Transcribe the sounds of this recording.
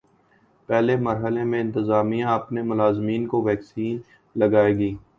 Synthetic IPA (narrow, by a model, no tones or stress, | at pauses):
pɛːlemɐɾɦəlẽmẽɪ̃nt̪əzaːmijãɐpnemʊlaːzmiːnkoʋɛːksiːn | lɐɡaːeːɡiː